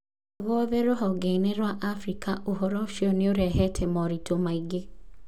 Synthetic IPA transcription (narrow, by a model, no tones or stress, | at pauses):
ɣɔðeɾoɦɔɡɛinɛɾwaʔafɾikaʔoɦɔɾɔʃiɔneoɾɛɦɛtʰɛmɔɾitʰomaiɡe